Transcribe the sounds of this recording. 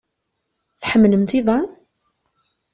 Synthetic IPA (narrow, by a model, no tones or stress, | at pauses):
θħəmːləmt̪iðˤɑn